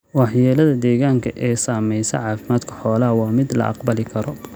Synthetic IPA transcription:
wɑħjɛːlɐðɐd̪ɛːɣaːŋkʰɐʔɛːsaːmɛjsɐ̰ʕɑːfɪmaːd̪kʰɐ̥ħɔːlɐɦɐwɑːmɪd̪lɐ̰ʔɑ̰qbɐlɪkʰɐɾɔ

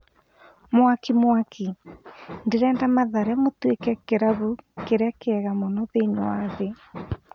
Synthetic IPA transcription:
mwakimwakʰi | ndeɾɛːndamaðaɾɛmotwekɛkeɾaβukeɾakeɛɣamɔnɔðeɲoaðe

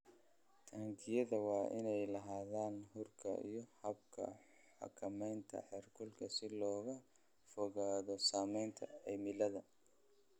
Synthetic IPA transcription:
t̪ʰɐːŋkʰɪjɐðɐwɑːʔɪnɛjlɐɦaːðaːnhʊrkʰɐ̰ʔḭjɔhɐb̚kʰɐ̰ | ħɑ̰kʰɐmɛjnt̪ʰɐ̰ħɛrkʰʊlkʰɐsɪlɔːɣɐ | fɔɣaːðɔsaːmɛjnt̪ʰɐ̰ɛjmɪlɐðɐ

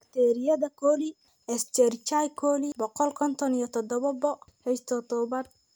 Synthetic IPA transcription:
ɐkt̪ʰɛɾɪjɐðɐkʰɔli | ɛst͡ʃɛrt͡ʃajkʰɔlibɔqɔlkʰɔnt̪ʰɔnijɔt̪ʰɔd̪ɔβɐbɔhɛst̪ʰɔt̪ʰɔbɐd

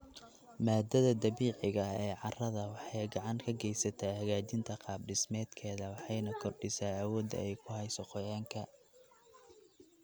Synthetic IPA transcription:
maːd̪ɐðɐd̪ɐβiːʕɪɣɐɛːʕɑrɐðɐwɑħɑjɡɑʕɑŋkʰɐɡɛjsɐt̪ʰaːhɐɣaːt͡ʃɪnt̪ʰɐqɑːb̚ɖɪsmɛːd̪kʰɛːðɐwɑħɑjnɐkʰɔrɖɪsaːɐwɔːd̪ɐ̰ɛjkʰʊhɛjsɔqɔjaːŋkʰɐ

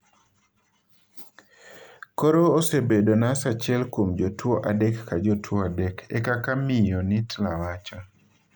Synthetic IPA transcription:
kɔɾoːsebedonasat͡ʃjɛlkomd͡ʒotwoʔadɛkːad͡ʒotʰwoadɛkʰɛ̰kakamɪjɔnitlawat͡ʃɔ

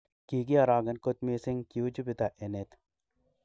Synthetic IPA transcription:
kiɡiaɾaːɡɐnkot̪meːsiŋkiud͡ʒubit̪aʔenet̪

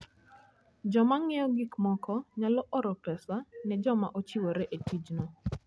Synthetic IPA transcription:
d͡ʒɔmaŋɛjɔɡikmɔkɔɲalɔʔɔɾɔkɛsanɛd͡ʒɔma̰ʔot͡ʃiwoɾɛʔetid͡ʒnɔ

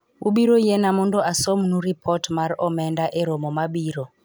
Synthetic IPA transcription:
uɓiɾɔijɛnamundɔasɔmunuɾipʰɔtmaɾɔmɛndaʔɛɾɔmɔmaɓiːɾɔ

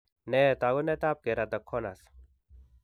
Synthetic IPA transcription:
net̪aɡonet̪aːp̚keɾat̪ɐkʰːonas

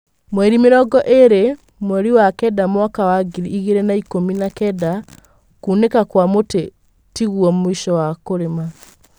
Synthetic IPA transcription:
mwɛɾimeɾɔɡɔʔeɾe | mwɛɾiwakɛdamwakawaɡiɾiiɣeɾɛnaikominakɛda | kuːnekakwamote | tiɣuɔmoiʃɔwakoɾema

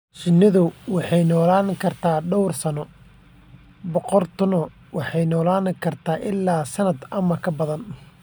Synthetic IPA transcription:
t͡ʃɪnːɪðʊwɑħɑjnɔːlaːnkʰɐrt̪ʰaːɖɔwrsɐnɔ | bɔqɔrt̪ʰʊnɐ | wɑħɑjnɔːlaːnkʰɐrt̪ʰaːʔɪlːaːsɐnɐd̪ɐmɐkʰɐbɐðɐn

